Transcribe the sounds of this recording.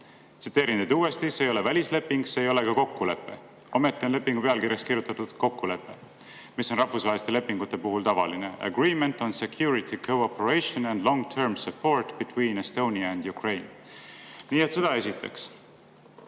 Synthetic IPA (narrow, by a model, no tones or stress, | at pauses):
t̪sit̪ːˑeːɾind̪̥ejd̪uːe̞st̪isejo̞le̞vælʲisle̞pːiŋɡ̥se̞ːjo̞le̞kɑko̞kːule̞pːˑe̞̰ | o̞me̞t̪ːˑio̞nle̞pːiŋɡ̥upe̞ɑlkiɾjɑskiɾjut̪ːˑɑt̪ːud̪̥ko̞kːule̞pːˑe̞ | miso̞nrɑhfusɑɦelist̪ele̞pːiŋɡ̥ut̪ːe̞puɦult̪ɑvɑ̰lineæ̰ɡɹiːment̪ˑo̞nsekʰjuːɾit̪ʰikʰowopːoɹejʃonænd̪lõ̞ŋt̪ʰeɹmsɑpːo̞ɹt̪bit̪wiːnest̪o̞wniɑend̪jukre̞jn | niːet̪se̞d̪ɑe̞sit̪ːˑḛks